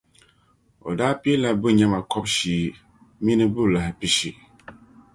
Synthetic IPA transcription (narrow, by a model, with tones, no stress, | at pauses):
o̰˨daː˦pi˦la˦bɨ˦ɲɛ˦ma˨kʰɔ˦b̚ʃiː˨ | mi˦nɨ˦bɨ˦˨la˨hɪ˨pi˦ʃi˨